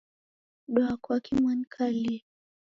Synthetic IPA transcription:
ɗɔakakimwankʰali

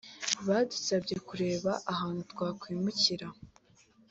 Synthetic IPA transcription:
βadusabɟe̞kuɾe̞ːβaʔaɦaːnutkwaːkwiːmuciɾa

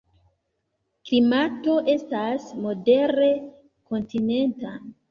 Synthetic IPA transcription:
klimato̞ʔe̞stasmo̞de̞ɾe̞ | ko̞ntine̞nta

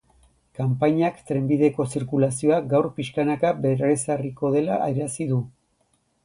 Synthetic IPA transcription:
kampaɲakt̪ɾe̞mbiðe̞ko̞siɾkulasio̞aɡawɾpiʃkanakabe̞ɾesariko̞ð̞e̞laʔajɾasiðu

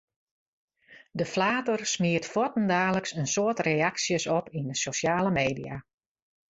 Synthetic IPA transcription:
dəflaːtərsmiətfɔtən̩daːləksənsoːtrejaksjəsɔpindəsoʃjaːləmeːdija̰

